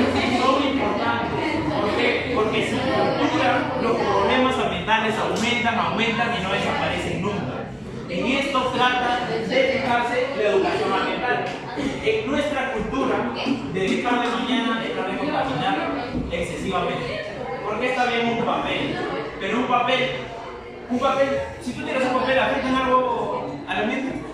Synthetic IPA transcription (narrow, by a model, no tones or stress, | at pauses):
sisomimpo̞ɾt̪ant̪e | poɾke | poɾke̞sikult̪uɾalo̞spɾɾoβle̞masambjent̪ale̞sawmẽ̞nt̪aŋawmẽnt̪aŋino̞lesapaɾe̞seŋnũŋka̰ | ie̞st̪o̞t̪ɾat̪aðefixaɾseleðukasjo̞namjent̪al | enwe̞st̪ɾakult̪uɾad̪eβit̪alemãɲãnaet̪ɾaβemoðelamaɲanaeksesiβamẽnt̪e | poɾkeest̪aβemosumpapelpeɾoumpapel | umpapelsit̪ut̪jeɾasumpapelaβeɾt̪euŋalɣoalamenmo